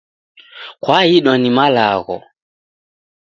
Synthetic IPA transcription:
kwaiɗanimalaɣɔ̰

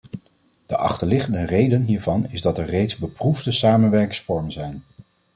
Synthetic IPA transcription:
d̥əʔɑ̰χtəɹlɪχəndərejdənɦiːɹvɑnɪzdɑtɛɹrejtzbəpruvdəsaːmənʋɛɹkɪŋsfɔɹmənzɛjn

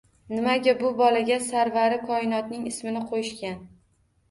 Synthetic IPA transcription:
nɪmaɡʲabʊbɒlaɡʲasaɾvaɾɪkʰɒɪnɒt̪nɪŋɪsmɪnɪqʰojɪʃkʲan

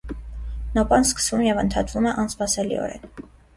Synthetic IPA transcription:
nɔpɑnskə̥svumjɛvənt̪ʰɑt̪vumɛʔɑnspɑsɛlḭɔ̰ɾɛ̰n

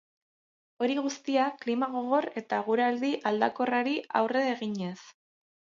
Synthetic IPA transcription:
o̞ɾiɣust̪iaklimaɣ̞o̞ɣ̞o̞re̞t̪aɣ̞uɾeald̪iʔald̪ako̞raɾia̰wre̞eɣiɲe̞s

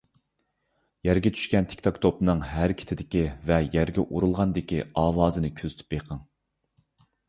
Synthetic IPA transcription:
jæɾɡʲɛt͡ʃʰy̥ʃkʲɛnt̪ʰe̥kʲt̪ʰokt̪ʰopnɨŋɦæɾkʲʰi̥t̪ʰɪd̪ɪkʲivɛjæɾɡʲɛʔuɾulˠʁɑnd̪ɪkʲiɑːwɑːzɨnɨkʲʰøzt̪ʰy̥p̚beqʰəŋ

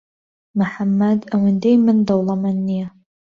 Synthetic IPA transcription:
mɨħamːadawɪndejmɨndɐwlˠɐmanːija

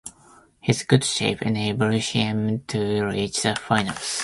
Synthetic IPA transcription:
hɪzɡ̥ʊdʃḛɪpɛ̰neɪbəlʃɪ̃mtʰuɹit͡ʃðəfaɪ̃nə̰ls

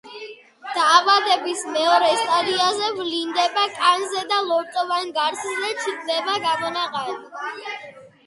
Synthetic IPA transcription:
d̪̥aːvad̪ɛbismɛɔɾɛst̪ʼaɾiazɛvlind̪ɛbakʼanzɛd̪alˠɔɾt̪ʼɔvanɡaɾsʰnzɛt͡ʃʰid̪nɛbaɡamɔnaqʼal

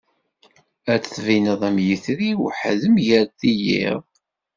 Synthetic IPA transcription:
æt͡sθvinəðˤæmjəθɾiwħəðəmʝəɾθijḭʁ

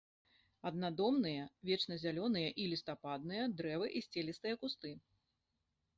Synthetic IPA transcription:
ɐd̪nad̪ɔmnɨjɐvʲɛt͡ʂnɐzʲalʲɔnɨjɐʔilʲist̪apad̪̚nɨjɐd̪ɾɛvɨʔisʲt͡sʲɛlʲist̪ɨjɐkust̪ɨ

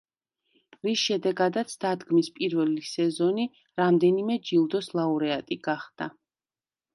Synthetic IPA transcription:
ɾisʃɛd̪ɛɡad̪at̪sʰd̪̥ad̪ɡmispʼiɾvɛlisɛzɔni | ɾamd̪ɛnimɛd͡ʒilˠd̪ɔslˠauɾɛat̪ʼiɡaχd̪̥a

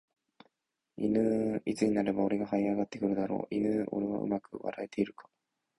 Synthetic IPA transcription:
ḭnɯit͡sɨɲ̟inaɾe̞bao̞ɾe̞ɡaɦaiaɡat̪ːe̞kɯ̟ɾɯ̟d̪aɾo̞̰ːʔinɯʔo̞̰ɾeβa̰ɯ̟̰makɯ̟βa̰ɾae̞t̪e̞iɾɯ̟kḁ

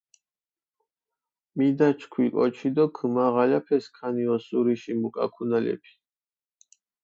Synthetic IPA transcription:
mid̪at͡ʃʰkʰwikʼɔ̰t͡ʃʰid̪ɔkʰmaʁalapʰɛskʰaniɔsuɾiʃimukʼa̰kʰunalɛ̰pʰi̥

